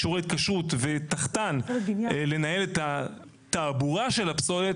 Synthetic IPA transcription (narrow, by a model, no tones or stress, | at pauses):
ʃuʁet̪̚kaʃʁut̪vet̪aχt̪anle̞nae̞let̪a | t̪aːbuʁaʃe̞lapso̞le